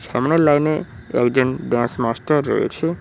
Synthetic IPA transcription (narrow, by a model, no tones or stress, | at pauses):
ʃa̰mnoɾlaɡneɛ̰kd͡ʑonɖãsmasʈaɾːo̰jḛt͡ɕʰe